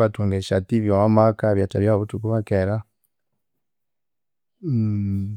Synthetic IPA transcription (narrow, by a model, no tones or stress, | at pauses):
βatuŋɡeʃatiβjomamakaβjat͡ʃaβjaβutukuβakeɾa